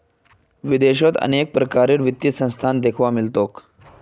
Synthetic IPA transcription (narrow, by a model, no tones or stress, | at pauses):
ʋid̪eɕot̪ə̰nek̚pɾəkaɾiːɽʋit̪ːisə̃w̃st̪ʰand̪ekʰʋamilt̪ok